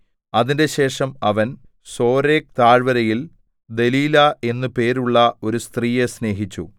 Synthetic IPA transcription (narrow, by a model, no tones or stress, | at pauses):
ɐðinde̞ɕe̞ːʂɐmɐʋɐn | so̞ːɾe̞ːk̚t̪aːɻʋɐɾɐjil | d̪e̞liːlɐe̞nːɨpe̞ːɾuɭːɐo̞ɾust̪riːjesne̞ːɦit͡ɕːṵ